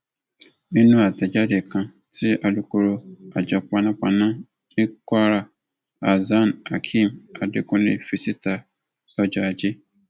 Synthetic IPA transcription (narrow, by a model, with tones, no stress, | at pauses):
e˦nũ˦a˨tʰa˨d͡ʑa˦dɪ˨kʰã˨ | tʰɪ˦ʔa˨du˨ko˨ɾo˨a˨d͡ʑɔ˨k͡pa˨nã˦pa˨nã˦ | nɪ˦kʷa˦ɾa˨ | a˨za˦˨na˨kʰĩ˦˨ma˨dɪ̰˦kʊ̃˦ndɪ̰˨fi˨si˦tʰa˨ | ɔ˨d͡ʒɔ˨a˨d͡ʑɪ˦